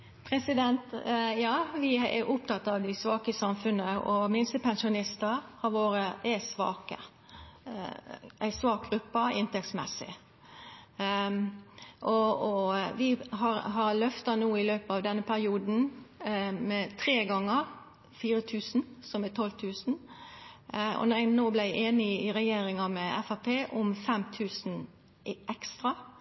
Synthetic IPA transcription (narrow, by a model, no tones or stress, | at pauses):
pʰɾɛsɪd̪ɛnt̪jɑːʋɪɛ̰ɾʔʊp̚t̪ʰɑt̪ːɑʋd̪ɪsʋɑːkəsɑmfʉnəɔmɪnst̪əpʰɛnʃʊnɪst̪əhɑɾʋoːɾəʔɛsʋɑ̰ːkə̰ | æɪsʋɑːk̚ɡɾʉpːɑɪnt̪ʰɛksmɛsɪ̰ | ʔɔ | ʋɪɦɑɾɦɑɾlœft̪ɑnuːɪløːpəɑʋd̪ɛnːəpʰæɾɪuːd̪n̩ | mɛt̪ʰɾeːɡɑŋːəɾ | fiːɾət̪ʰʉːsn̩sɔmɛt̪ʰɔlt̪ʰʉːsn̩ | ɔ̰nnoːblæʔeːnɪɪɾɛjeːɾɪŋɑmɛɛ̰fɑpʰeːʔʊmfɛmt̪ʰʉːsn̩ | ʔɛkst̪ɾɑ